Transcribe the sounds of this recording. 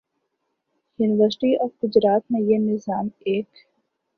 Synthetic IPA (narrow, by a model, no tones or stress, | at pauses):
juːnɪʋəɾsɪʈiɔːfɡʊd͡ʒɾaːt̪mẽjenɪzaːmeːk